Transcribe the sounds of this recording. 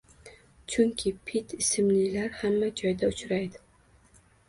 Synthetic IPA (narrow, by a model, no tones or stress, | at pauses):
t͡ʃʰʊŋkʲʰɪpʰɪt̪ʰɪsɪmlɪlaɾhamːad͡ʒɒjd̪aʊt͡ʃʰɾajd̪ɪ